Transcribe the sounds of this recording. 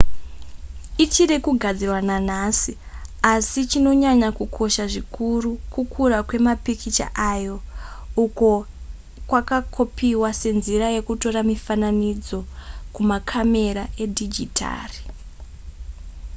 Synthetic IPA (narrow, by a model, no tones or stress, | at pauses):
it͡ʃirekuɡʱad͡zirwananasi | asit͡ʃino̞ɲaɲakukʰo̞ʃaʐikʰurukukʰuɾakwe̞mapikʰit͡ʃa̰ʔajo̞uko̞ | kwakakʰo̞piwase̞nziraje̞kuto̞ɾamifananid͡zo̞kumakʰame̞ɾae̞dʱid͡ʒitʰa̰ːri